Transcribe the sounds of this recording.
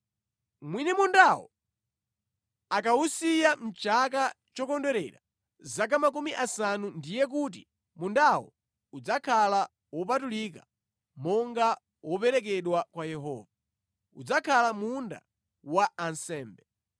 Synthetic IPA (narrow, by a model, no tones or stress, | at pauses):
mwinɛmundawɔ̰ | ak̬ausijam̩t͡ʃak̬a | t͡ʃɔkɔndɛɾɛ̰ɾa | zak̬amakumiʔasanundijɛk̬ut̬i | mundawɔ̰ | ud͡zakʰala | wɔp̬atulika | mɔŋɡa | wʔɔpɛɾɛk̬ɛɗwakwajɛɦɔ̰ːva | ṵd͡zakʰalamunda̰ | waansɛːmbɛ